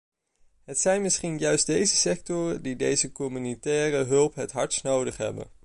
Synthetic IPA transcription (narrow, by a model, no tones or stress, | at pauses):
ɦətsɛjnmɪsχinjœɥsddejzəsɛk̚tʊrədidejzəkɔmynitɛːrəɦɵlˠpɦətɦɑɹsnowdəχɦɛ̰bə̰n